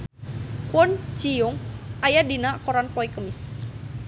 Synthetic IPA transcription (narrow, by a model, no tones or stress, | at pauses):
kwɔnt͡ʃijɔŋajadinakɔɾanpɔikəmis